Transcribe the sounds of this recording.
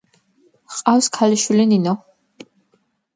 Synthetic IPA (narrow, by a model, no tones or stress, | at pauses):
qʼafskʰaliʃwilininɔ